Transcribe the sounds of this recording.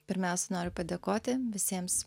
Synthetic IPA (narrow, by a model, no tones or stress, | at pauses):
pʲɪɾʲmʲæˑʊsʲɛnoːɾʲʊpɐd̪ʲeːkoːt̪ʲɪʋʲɪsʲiɛms